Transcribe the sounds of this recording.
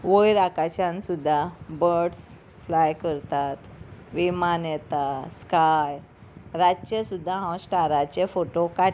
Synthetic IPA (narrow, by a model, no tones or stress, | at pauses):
ʋojɾakat͡ɕãnsud̪ʱːabəɾɖs | flajkəɾt̪at̪ʋimanjɛt̪askaj | ɾat͡ɕəsud̪ʱːãɦãwsʈaɾat͡ɕefoʈoka